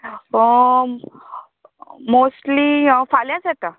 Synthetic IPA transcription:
ə | mosʈliəfaljat͡sɛt̪a

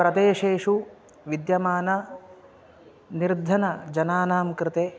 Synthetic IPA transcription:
pɾɐd̪eːʃeːʂu | ʋid̪jɐmaːnɐ | niɾd̪ʱɐnɐd͡ʒɐnaːnaːmkɾɪt̪eː

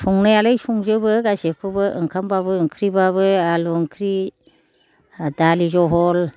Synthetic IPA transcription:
sɔŋnajalajsuŋzɯbɯɡasekʰɯbɯʔɯŋkʰambaβɯɯŋkʰɾibaβɯaluɯŋkʰɾi | dalizɔɦɔl

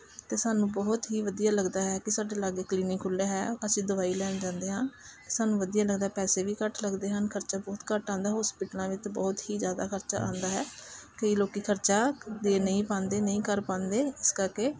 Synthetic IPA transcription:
t̪eːsaːnũːbɔːt̪ɦiːʋəd̪ijaːləɡd̪aːɦɛːkɪsaːɖeːlaɡekliːnikʰːʊlːaːɦɛːəsĩːd̪əʋaːiːlɛːnd͡ʒãːnd̪eːɦãːt̪eːsaːnũːʋəd̪ijaːləɡd̪aːɛpɛːseːʋiːkəʈləɡd̪eːɦənkʰəɾt͡ʃaːbɔːt̪kəʈãːnd̪aːɦɔːspiːʈlãːʋɪt͡ʃbɔːt̪hiːd͡ʒjaːd̪a̰ːkʰəɾt͡ʃa̰ːʔã̰ːnd̪aːɦɛːkəiːloːkiːkʰəɾt͡ʃaːd̪eːnəĩːpãːnd̪eːnəĩːkəɾpãːnd̪eːɪskəɾkeː

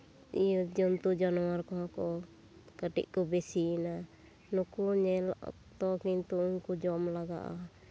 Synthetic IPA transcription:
ijd͡ʒɔnt̪ud͡ʒɔnɔwaɾkɔɦɔ̃kɔ | kaʈḭʔkɔbɛsiːna | nukuɲɛla̰ʔ | t̪ɔkint̪uuɲkud͡ʒɔmlaɡa̰ʔa̰

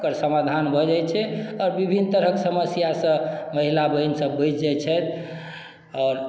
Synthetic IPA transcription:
kəɾsəmad̪ʱanbʱəd͡ʒajt͡ʃʰɛɔːɾbibʱinːt̪əɾɦəksəməsjasə̃məɦilabəinsə̃bəjt͡ʃd͡ʒɛt͡ʃʰɛt̪ | ɔːɾ

